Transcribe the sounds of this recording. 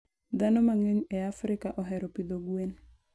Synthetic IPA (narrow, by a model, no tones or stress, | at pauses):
d̪anomaŋeɲɛafɾɪkaʔɔɦɛɾɔpid̪oɡwen